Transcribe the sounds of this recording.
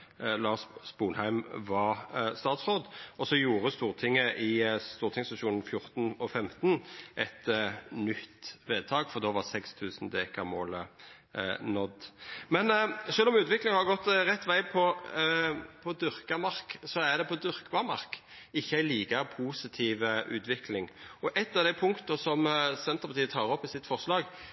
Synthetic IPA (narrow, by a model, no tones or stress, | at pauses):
lɑːʂbuːnhæɪmʋɑʁst̪ɑːt̪sʁoːd̪ɔsɔjuːʁəst̪uːʁt̪ʰɪŋːəʔɪst̪uːɾt̪ʰɪŋst̪ɑʃuːnn̩fjʊʁt̪nɔfɛmt̪nʔɛt̪nʏt̪ːʋeːd̪̚t̪ʰɑːɡfɔʁd̪oːʋɑʁsɛkst̪ʰʉːsn̩d̪eːkɑmoːlə | nɔd̪mɛnʃøːlɔmʉːt̪ʋɪklɪŋhɑɾɡɔt̪ːʁɛt̪ːʋæɪpʰɔ | pʰɔd̪ʏʁkɑmɑʁksɔæʁd̪ɛpʰɔd̪ʏɾkbɑmɑ̰ʁk | ɪçːəæɪliːkəpʰuːsɪt̪ʰiːʋəʔʉ̰ːt̪ʋɪklɪŋɔʔɛt̪ːɑʋd̪æɪpʰʊŋkt̪əsɔmsɛnt̪əʁpʰɑʁt̪iːət̪ʰɑːʁɔpːɪsɪt̪ːfɔʁslɑːɡ